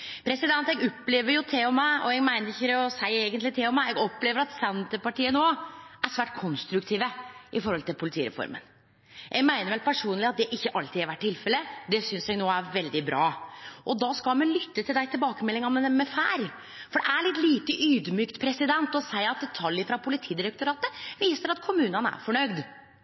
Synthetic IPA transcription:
pʰɾɛsɪd̪ɛnt̪ɛɡɔpːleːʋəɾjʊt̪ʰeːɔmːæɪɔ̰ɛɡmæɪnəɾɪçːəd̪ɛɔsæɪeːɡənt̪lɪt̪ʰeːɔmːæɪɛɡɔpːleːʋəɾɑt̪sɛnt̪əpɑʈiːənoːæʂʋæːʈ̚kʰɔnst̪ɾʉkt̪ʰiːʋəʔɪfɔɾhɔlt̪ɪlpʰʊlɪt̪ʰiːɾɛ̰fɔ̰ɾmə̰n | jʔɛɡmæɪnəɾʋɛlpʰæʂuːnlɪɑt̪̚d̪ɛʔɪçːəʔɑlt̪iːɑɾʋæʈ̚ʰːɪlfɛləd̪ɛsʏnsjɛɡnoːæɾʋɛld̪ɪbɾɑːʔɔd̪ɑskɑlmɛnlʏt̪ːət̪ʰɪld̪æɪt̪ɪlbɑːkəmɛlːɪŋɑnmənɛmɛfæ̰ːɾ | fɔɖɛæɭɪt̪ːliːt̪əʔyːd̪myːkt̪pʰɾɛsɪd̪ɛnt̪ɔsæɪɑt̪̚d̪ɛt̪ʰɑljəfɾɑpʰʊlɪt̪ʰiːd̪ɪɾɛk̚t̪ʊɾɑːt̪əʋiːsəɾɑt̪kʰʊmʉːnənæ̰ɾfɔɳœɡd̪

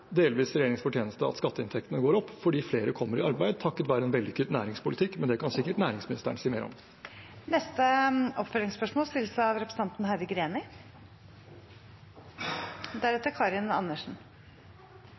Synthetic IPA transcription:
d̪eːlʋiːsɾɛjeːɾɪŋsfɔʈʰjeːnəst̪əɑ̰t̪skɑt̪ːəɪnt̪ʰɛk̚t̪ənəɡoːɾɔpːfɔɖiːfleːɾəkʰɔmːəɾɪɑɾbæɪd̪̚t̪ʰɑkːət̪ʋæːɾəɛnʋɛld̪ɪkʰʉt̪ːnæːɾɪŋspʊlɪt̪ʰɪkːmɛnd̪ɛkʰɑnsɪkːəʈnæːɾɪŋsmɪnɪst̪ə̰ɳsiːmeːɾɔ̰m | nɛst̪əʔɔpfœlɾɪŋspœʂmoːlst̪ɪlːsəɑʋɾɛpɾs̩ɑnt̪nhæʋɪɡɾeːnɪ | d̪æɾɛt̪əɾkʰɑːɾɪnɑ̰nːəʂn̩

